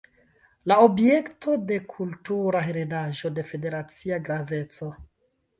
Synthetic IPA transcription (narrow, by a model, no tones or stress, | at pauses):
laobije̞ktʰo̞de̞kʰultuɾaɦeɾedaʒo̞de̞fe̞de̞ɾat͡siaɡɾave̞t͡so̞